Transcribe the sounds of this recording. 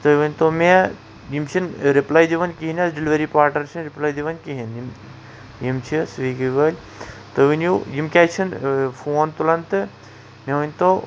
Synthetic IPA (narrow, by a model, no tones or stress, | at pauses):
t̪ɐʋɐnʲt̪ome | jimt͡ʃʰinɾiplajd̪iʋɐnʲkiɦinʲɐsɖiliʋɐɾipaːɾʈɐɾt͡ʃʰinɾiplaːjd̪iʋɐnkiɦinim | jimt͡ʃʰisʋiːkʋɐːlʲ | t̪ɨʋinujimkʲaːt͡ʃʰinfʰoːnt̪ulɐnt̪ɨ | meʋɐnʲt̪o